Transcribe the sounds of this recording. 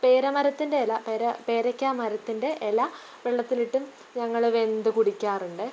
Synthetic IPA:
pe̞ːɾɐmɐɾɐt̪ːinde̞lɐpeːɾɐpe̞ːɾɐkʲːaːmɐɾɐt̪ːinde̞ʔelaː | ʋeɭːɐt̪ːiliʈːum | ɲɐŋːɐɭʋe̞nd̪ɨkuɽikʲːaːruɳɖɨ

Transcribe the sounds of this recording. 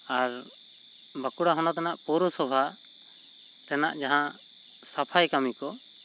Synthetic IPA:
aɾ | bakuɽaɦɔnɔt̪anaʔpɔɾɔsɔbʱa | t̪ɛnaʔd͡ʒaɦã | sapʰajkamikɔ

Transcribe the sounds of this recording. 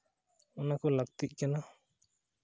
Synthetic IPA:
ɔnakɔləɡ̚t̪iʔ̚kɛna

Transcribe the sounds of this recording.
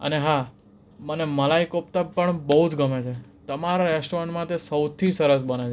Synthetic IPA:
ə̰neɦa | məneməlaikop̚t̪apəɳbəɦud͡ʒɡəmet͡ʃʰet̪əmaɾaɾeʃʈʋəɳmãt̪esəwt̪ʰisəɾəs̬bənet͡ʃʰ

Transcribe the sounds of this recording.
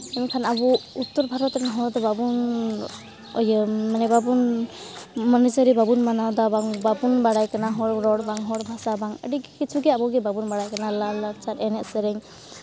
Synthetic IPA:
ɛmikʰanabuut̪ːɔɾbʱaɾɔt̪naɦɔd̪ababun | ɔ̰jəmanɛbabun | mɔnizəɾibabunmanawd̪abaŋbabunbaɽajkanaɦɔɽɾɔɽbaŋɦɔɽbʱasabaŋə̰dikkit͡ʃʰuɡɛabɔɡɛbabunbaɽajkanalalat͡ʃaɾɛnɛʔsəɾɛŋ

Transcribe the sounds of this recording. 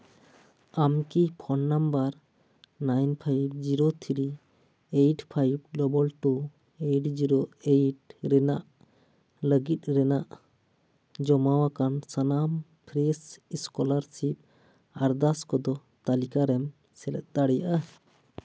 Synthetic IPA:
amkipʰɔnːambaɾ | najnpʰajb̚d͡ʒiɾot̪ʰiɾi | ejʈpʰajb̚ɡlɔbɔlʈu | eʈd͡ʒiɾoejʈɾɛnaʔ | ləɡit̪̚ˀɾɛnaʔ | d͡ʒɔmawakansanam | pʰɾɛsiskɔlaɾsip̚ | aɾd̪askɔd̪ɔ | t̪alikaɾɛm | sɛlɛ̰t̪̚ˀd̪aɽɛjaʔa

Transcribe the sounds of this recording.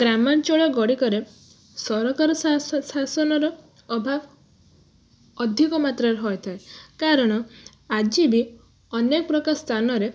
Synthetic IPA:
ɡɾamant͡ʃoɭɔɡɔɽikɔɾe | sɔɾɔkaɾɔssasɔnɔɾɔ | ɔbʱab | ɔd̪ʱikɔmat̪ɾaɾɦɔjt̪ʰaekaɾɔɽ̃ɔ | ad͡ʒibi | ɔnekɔpɾɔkast̪ʰanɔɾe

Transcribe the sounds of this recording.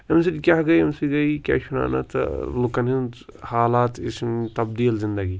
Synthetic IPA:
ɐms̬idkjaːɡɐiɐmsiɡɐikja̰ːʃʊna̰ːnɐ̰t̪lʊkɐnɦinhaːlaːt̪ɪ̰st̪ɐb̚d̪iːlzɪ̃nd̪ɐɡiː

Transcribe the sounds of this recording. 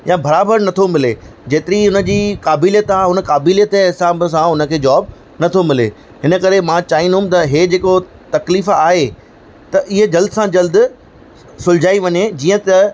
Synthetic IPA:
jãbɐɾaːbəɾnɐt̪ʰomɪled͡ʑeːt̪ɪɾiʊnə̆d͡ʑiːkaːbiːlijət̪aːɦʊnə̆kaːbiːlijət̪ɛɪsaːbs̬ãʊnə̆kʰeːd͡ʑaːb | nɐt̪ʰomɪlḛ | ɦɪnə̆kɐɾemãt͡ɕaːɦĩnd̪ʊ̃m̆t̪ɐɦeːd͡ʑeːko | t̪ɐkliːfaːɦe | t̪ɐʔɪɦəd͡ʑɐld̪sãd͡ʑɐld̪ | sʊld͡ʑaːiʋɐɲed͡ʑiːə̃t̪ɐ

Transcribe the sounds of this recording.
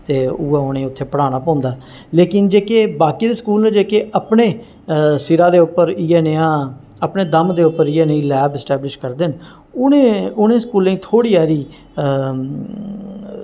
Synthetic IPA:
t̪eːuːaːʊnẽːʊt̪ʰːeːpəɽaːñaːpɔ̃ːnd̪aːɛ | leːkɪnd͡ʒeːkeːbaːkiːd̪eːskuːlnẽːd͡ʒeːkeːʔəpɳeː | sɪɾaːd̪eːʊpːəɾieːneːãː | əpneːd̪əmd̪eːʊpəɾɪːeːnĩːlɛːbɛsʈɛːblɪʃkəɾd̪ɪn | ʊnẽːʊnẽːsə̥kuːlẽĩːt̪ʰoːɽiːaːɾiː

